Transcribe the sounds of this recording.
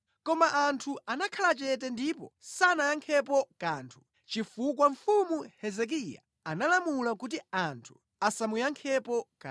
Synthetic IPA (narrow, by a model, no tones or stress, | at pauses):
kɔmaʔantʰuanakʰalat͡ʃɛt̬ɛndipɔ̰sanajaŋkʰɛpɔkaːntʰu̥ | t͡ʃifukwaɱ̩fumuhɛzɛk̬ija̰ | analamulakut̬iantʰu̥ | asamujaŋkʰɛpɔk